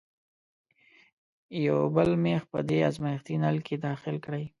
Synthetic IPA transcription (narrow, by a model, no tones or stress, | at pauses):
jawbəlmexpə̰d̪ea̰zmajxt̪inalked̪ɑxɪlkɽəj